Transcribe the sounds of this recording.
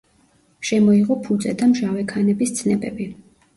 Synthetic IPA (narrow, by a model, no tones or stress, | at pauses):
ʃɛmɔiʁɔpʰud̪sʼɛd̪amʒawɛkʰanɛbist̪sʰnɛbɛbi